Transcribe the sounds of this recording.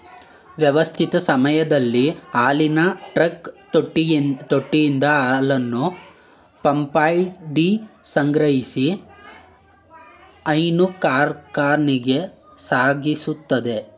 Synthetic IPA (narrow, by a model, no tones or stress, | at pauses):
ʋjɛʋɐst̪ʰit̪ɐsɐmɐjɐd̪ɐlːiaːlinɐʈɾɐk | ʈːt̪oʈːijind̪ɐlɐnːu | pɐmpaːjɖisɐŋɡɾɐɦisi | ɐjnukaːɾkaːɾɳiɡe̞ | saːɡisut̪ːɐd̪e̞